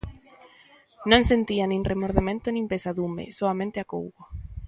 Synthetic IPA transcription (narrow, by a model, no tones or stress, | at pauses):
nõŋsent̪ianĩŋrʔemoɾðemẽnt̪onĩmpesaðumḛsoamẽnt̪eako̰wɣo